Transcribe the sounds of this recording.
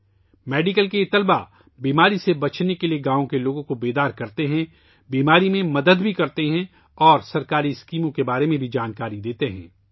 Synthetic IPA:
mɛːɖɪkəlkeɪt̪əlba | biːmaːɾisebɐt͡ʃʰnekelieɡãːõkeloːɡõkobeːd̪aːɾkɐɾt̪eɦɛ̃ | biːmaːɾimẽmɐd̪əd̪bʱikɐɾt̪eɦɛ̃ | ɔːɾsɐɾkaːɾiɪskiːmõkebaːɾemẽbʱid͡ʒaːnkaːɾid̪eːt̪eɦɛ̰̃ː

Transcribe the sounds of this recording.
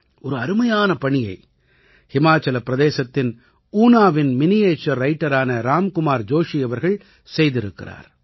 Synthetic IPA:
ʔɔɾɯɐɾɯmɐjaːnɐpɐɳɪjɐɪ | hɪmaːt͡ʃːɐlɐpːɪɾɐðeːsɐt̪ːɪn | uːnaːʋɪnmɪnɪjeːt͡ʃːɐɾɾɐɪʈːɐɾaːnɐɾaːmkʊmaːɾd͡ʒoːʂiɐʋɐɾɣɐɭ | sɛjðɪɾɯkːɪ̰ra̰ːɾ

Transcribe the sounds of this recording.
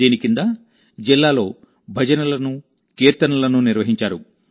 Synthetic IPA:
iːnikind̪aː | d͡ʒilːaːlo̞ː | bʱɐd͡ʒɐnɐlɐnu | keːɾt̪ɐnɐlɐnuniɾʋɐɦiɲt͡ʃaːɾu

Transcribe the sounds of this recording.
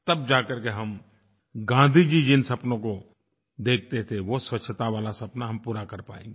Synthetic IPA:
t̪ɐb̚d͡ʒaːkəɾkeɦɐm | ɡãːnd̪ʱid͡ʒid͡ʒɪnsɐpnõko | d̪eːk̚ʰt̪et̪ʰeʋoswɐt͡ʃʰət̪aʋaːlasɐpnaɦɐmpuːɾakɐɾpa̰ːḛ̃ːŋɡe

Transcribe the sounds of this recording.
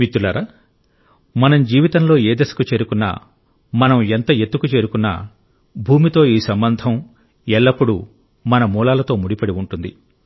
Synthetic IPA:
mit̪ːulaːɾa | mɐnɐmd͡ʒiːʋit̪ɐnlo̞ːe̞ːd̪ɐsɐ̥kut͡ʃe̞ːɾukunːa̰ː | mɐnɐment̪ɐe̞t̪ːukut͡ʃe̞ːɾukunːa̰ː | bʱuːmit̪o̞ːiːsɐmbɐnd̪ʱɐm | ɛɭːɐpːuɽu | mɐnɐmuːlaːlɐt̪o̞ːmuɽipɐɽiuɳʈund̪ḭ

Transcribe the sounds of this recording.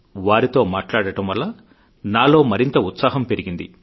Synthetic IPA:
ʋaːɾit̪o̞ːmaːʈlaːɽɐʈɐmʋɐlːɐ | naːlo̞ːmɐɾint̪ɐut̪saːɦɐmpe̞ɾiɡind̪ḭ

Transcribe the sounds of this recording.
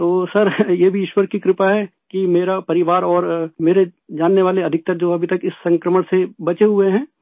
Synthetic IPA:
t̪oːsɐɾjeːbʱiɪʃwəɾkikɾɪpaɦɛkimeːɾapɐɾɪʋaːɾɔːɾmeːɾed͡ʒaːnːeʋaːleɐd̪ʱɪk̚t̪ɐɾd͡ʒoːɐbʱit̪ɐkɪsːɐ̃ŋkɾəməɽ̃sebɐt͡ʃeɦʊeɦɛ̃ː

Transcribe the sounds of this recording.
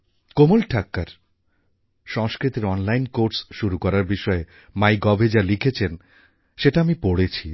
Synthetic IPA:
komolʈʰakːaɾ | ʃɔŋskɾit̪eɾɔnlajnkoɾsʃuɾukɔɾaɾbiʃɔe | majɡɔbʱed͡ʑalikʰet͡ɕʰen | ʃeʈaamipoɽet͡ɕʰi

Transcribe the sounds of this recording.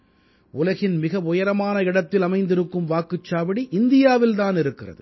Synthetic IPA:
ʊlɐɣɪnmɪɣɐʋʊjɐɾɐmaːnɐɪɽɐt̪ːɪlɐmɐɪnd̪ɪɾɯkːɯmʋaːkɯt͡ʃːaːʋɪɽiʔɪnd̪ɪjaːʋɪlt̪aːnɪɾɯkːɪrɐ̰ðɯ

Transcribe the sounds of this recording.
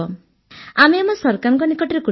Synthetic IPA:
ɔ | amemɔsɔɾkaɾɔŋkɔnikɔʈiɾeku

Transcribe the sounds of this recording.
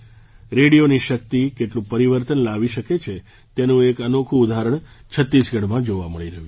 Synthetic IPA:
ɾeɽijoniʃək̚t̪ikeʈlũpəɾiʋəɾt̪ənlaʋiʃəket͡ʃʰe | t̪enũekənokʰũːd̪ʱaɾəɳt͡ʃʰət̪ːisɡʱəɽmãd͡ʒoʋaməɭiɾəɦjũ

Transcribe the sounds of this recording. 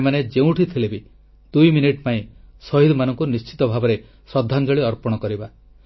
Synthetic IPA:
maned͡ʒeũʈʰit̪ʰilebi | d̪ujminiʈpaĩsɔɦid̪manɔŋkunist͡ʃi̥t̪ɔbʱabɔɾe | sɔd̪ʱːaŋd͡ʒɔɭiɔɾpɔɽ̃ɔkɔɾiba

